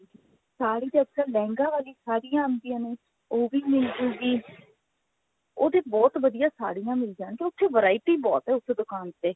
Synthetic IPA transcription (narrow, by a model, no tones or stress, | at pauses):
saːɽiːd̪eːəksəlɛ̃ːŋɡãːʋaːliːsaːɽijãːənd̪ɪjãːneː | oːʋiːmɪld͡ʒuːɡiː | oːd̪eːbɔːt̪ʋəd̪ijãːsa̰ːɽijãːmɪld͡ʒaːɳkeːʊt̪ʰːeːʋəɾaːɪʈiːbɔ̰ːt̪ɦɛːʊsʰd̪ʊkaːnt̪eː